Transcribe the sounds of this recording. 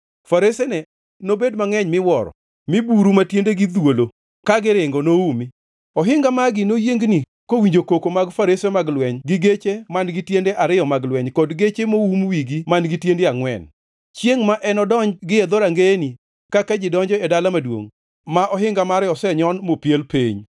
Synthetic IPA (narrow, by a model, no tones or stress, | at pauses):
faɾesenɛ | nobedmaŋɛɲmɪwɔɾɔ̰ | mɪbuɾumatjendeɡɪd̪wolo | kaɡɪɾɪŋɡɔnoumi | ɔɦɪŋɡamaɡɪnojeŋɡni | kowiɲd͡ʒokokomaɡfaɾesemaɡlwɛɲɡɪɡet͡ʃemanɡɪtjendeʔaɾɪɔmaɡlwɛɲkɔdɡet͡ʃemoumwiɡimanɡɪtjendeaŋwɛ̰n | t͡ʃjeŋmaʔɛnɔdɔɲɡɪɛd̪oɾaŋɡeni | kakad͡ʒɪdɔɲd͡ʒɔɛdalamadwo̰ŋ | maʔɔɦɪŋɡamaɾɪɔsɛɲɔnmopjelpeɲ